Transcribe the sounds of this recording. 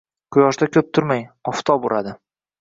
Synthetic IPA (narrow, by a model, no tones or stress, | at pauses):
qʰʊjɒʃd̪akʰʲɵp̚t̪ʰʊɾmajɒft̪ʰɒboɾʔa̰d̪ɪ